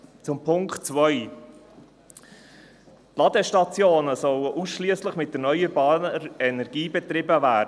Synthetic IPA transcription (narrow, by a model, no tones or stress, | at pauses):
t͡sʊmpʰʊŋktt͡svœʏ | t̪lɑd̪əʃtɑt͡sjoːnəsɔləʔusʃlyəsləχmɪt̚dəɾnœʏəɾbɑːnɛnɛɾɡ̥iːbɛt̪ɾɪbəvæːd